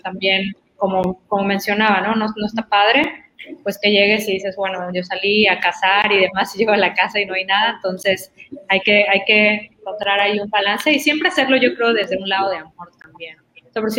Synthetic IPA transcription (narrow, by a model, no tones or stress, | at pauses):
t̪ambje̞n | ko̞mo̞ko̞mo̞mẽ̞nsjo̞naβano̞no̞no̞est̪apað̞ɾe̞ | pwe̞ske̞ʝe̞ɣe̞siðise̞zbwe̞noʝo̞saliakasaɾiðe̞masiʝe̞ɣoalakasaino̞ajnað̞aent̪o̞nse̞sajke̞ajke̞eŋko̞nt̪ɾaɾaiumbalanse̞isje̞mpɾease̞ɾlo̞ʝo̞kɾe̞oðe̞zðe̞unlaðo̞ð̞eamxoɾt̪ambjen | opoɾsi